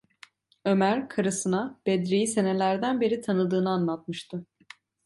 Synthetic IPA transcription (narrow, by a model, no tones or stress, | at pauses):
ø̞mæɾkʰaɾɯsɯnab̥ɛd̪ɾejise̞nelʲæɾd̪ænbe̞ɾit̪ʰanɯd̪ɯːnɯanlˠat̪̚mɯʃt̪ʰɯ